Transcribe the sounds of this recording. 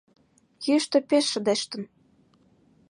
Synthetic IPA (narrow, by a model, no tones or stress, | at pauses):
jyʃt̪ɤ̆peʃːə̆d̪eʃt̪ə̆n